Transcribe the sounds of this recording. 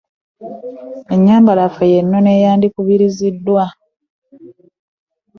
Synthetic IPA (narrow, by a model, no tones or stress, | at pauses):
e̞ɲːaːmbalafejenːo̞ne̞jaːndikuβiɾizidːwa